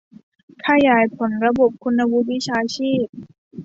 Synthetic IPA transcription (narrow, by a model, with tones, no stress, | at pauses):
kʰa˧jaː˩˦jpʰo˩˦nɾa˧bo˨˩p̚kʰu˧nːa˧wu˧˦˥wi˦˥t͡ɕʰaː˧t͡ɕʰiː˥˩p̚